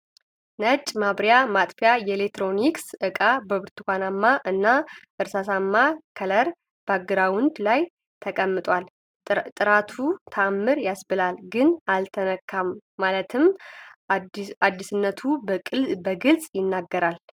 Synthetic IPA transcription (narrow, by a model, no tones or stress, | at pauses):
nət͡ʃʼmaβɾjamat̪ʼfjajɛlek̚t̪ɾo̞niksʔɨkʼabəβɨɾt̪ʰɨkʷanamːaʔɨnːaʔɨɾsasamːakʰələɾ | b̥aɡɨɾawʊnd̪laj | t̪ʰəkʼəmːɨt̪ʼwal | t̪ʼɨɾat̪ʰut̪ʰamːɨɾjasbɨlalɡɨnalt̪ʰənəkʰːamːalət̪ʰɨm | ad̪ːisɨnːət̪ʰubəɡɨlsʼjɪnːaɡːəɾal